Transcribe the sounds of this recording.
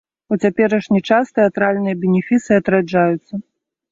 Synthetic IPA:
ɔt͡sʲapʲɛɾɐʂnʲit͡ʂast̪ɛat̪ɾalʲnɨjɐbʲɛnʲɛfʲisɨɐt̪ɾad͡ʐajut̪sːɐ

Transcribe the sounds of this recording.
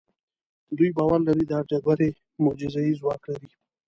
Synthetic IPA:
d̪ujbɑwaɾlaɾid̪əad͡ʒaɡaɾe | mʊd͡ʒɪzajizwɑklaɾi

